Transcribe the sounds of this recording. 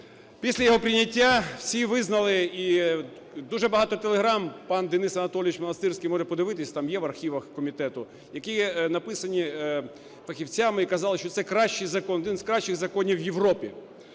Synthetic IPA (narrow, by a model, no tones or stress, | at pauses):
pʲisʲlʲɐjɔɦɔpɾʲɪnʲɐtʲːawsʲiʋɪznɐlˠɪi | d̪uʒɛbɐɦɑt̪ɔt̪elˠeɦɾɑmpɑnd̪enɪsɐnɐt̪ɔlʲɪʋʲit͡ʃmɔnɐst̪ɪrsʲkijmɔʐɛpɔd̪ɪʋɪt̪ɪsʲɐt̪ɑmjɛʋɐrxʲiʋɐxkɔmʲit̪ɛt̪ʊ | jɐkijnɐpɪsɐnʲi | fɐxʲiwt͡sʲamɪikɐzɑlˠɪʃt͡ʃɔt̪sɛkɾɑʃt͡ʃɪjzɐkɔnɔd̪ɪnzkɾɑʃt͡ʃɪɣzɐkɔnʲiwjeʋrɔpʲi